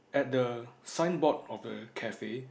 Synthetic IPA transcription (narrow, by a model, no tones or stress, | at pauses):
ɛt̚dəsãjnbɔt̚ɔfdəkʰɛfe